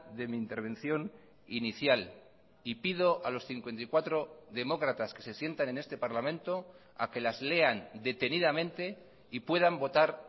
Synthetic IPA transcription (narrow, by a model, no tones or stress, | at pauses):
ðe̞miːnt̪e̞ɾβẽ̞nθjo̞n | iniθjal | ipið̞o̞ʔalo̞sθiŋkwe̞nt̪ikwat̪ɾo̞ðe̞mo̞kɾat̪aske̞se̞sje̞nt̪ane̞ne̞st̪e̞paɾlamẽ̞nt̪o̞ | a̰ke̞lazle̞and̪e̞t̪e̞niðamẽ̞nt̪e̞ | ipwe̞ð̞ambo̞t̪aɾ